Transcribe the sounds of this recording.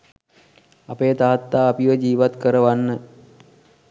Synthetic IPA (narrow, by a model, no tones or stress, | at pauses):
apejət̪aɦat̪ːaːpiʋəd͡ʒiːʋat̪kəɾəʋanːə